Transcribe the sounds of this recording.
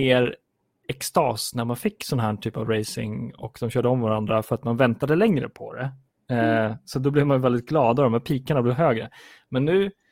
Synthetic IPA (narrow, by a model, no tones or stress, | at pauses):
eːɾ | ɛkst̪ɑːsnæɾmanfɪkːsɔnːaɦæːʈʰyːpavɾɛjsɪ̰ŋɔkd̪ɔmɕœːɖəɔmvaɾand̪ɾafœɾat̪manvɛnt̪ad̪əlɛŋɾə̰pʰɔ̰d̪ɛ̰ | sat̪̚d̪ɔblɪvmanjvɛld̪ɪt̪̚ɡlɑːd̪ad̪ɔmhæːɾpʰiːkaɳablɛvɦøːɡɾə | mɛnːʉ̟ː